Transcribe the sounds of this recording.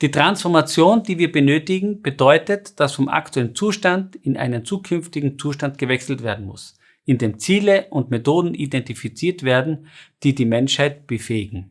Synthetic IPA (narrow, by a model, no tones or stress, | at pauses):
d̥iːtʁ̥ansfɔɐmat͡sjoːndiːviːɐbənøːtɪɡŋ̩b̥ədɔʏtətd̥asfɔmʔa̰ktʰuɛlənt͡suːʃtandɪnʔa̰ɪnənt͡suːkʰʏnftɪɡŋ̩t͡suːʃtantɡ̥əvɛksl̩tv̥eːɐdn̩mʊ̰s | ʔɪndeːmt͡siːləʔʊntmetoːdn̩idɛntifit͡siːɐtv̥eːɐdn̩d̥iːdiːmɛnʃhaɪtb̥əfeːɪɡŋ̩